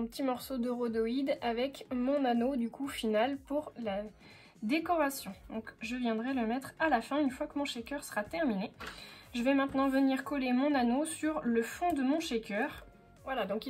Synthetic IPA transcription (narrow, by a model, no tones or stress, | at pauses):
ɛ̃pət̪imɔʁsod̪əʁod̪ɔid̪avɛkmɔ̃nanod̪ykufinalpuʁla | d̪ekɔʁasjɔ̃d̪ɔ̃kʒəvjɛ̃d̪ʁɛləmɛt̪χalafɛ̃ynfwakəmɔ̃ʃekʲœʁsəʁat̪ɛʁmineʒəvɛmɛ̃t̪nɑ̃vəniʁkɔlemɔ̃nanosyʁləfɔ̃d̪əmɔ̃ʃekʲœʁ | vwalad̪ɔ̃ki